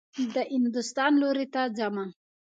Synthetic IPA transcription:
d̪aʔind̪ust̪anluɾit̪ad͡ʒamaŋ

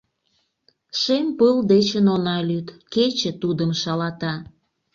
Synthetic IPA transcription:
ʃempəld̪et͡ɕənonɑlyt̪ket͡ɕĕt̪ud̪əmʃɑlɑt̪ɑ

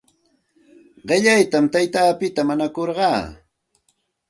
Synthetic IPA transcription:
ɢɪʎajt̪amt̪ajt̪aːpɪt̪amaɲakoɾɢɑː

